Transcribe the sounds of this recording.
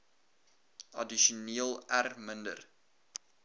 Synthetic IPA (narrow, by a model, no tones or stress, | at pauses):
ɐ̰diʃuniəlˠærməndə̰r